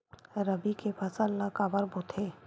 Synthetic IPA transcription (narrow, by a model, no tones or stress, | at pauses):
ɾɐbikepɐsəlːakabɐɾbuːt̪ʰeː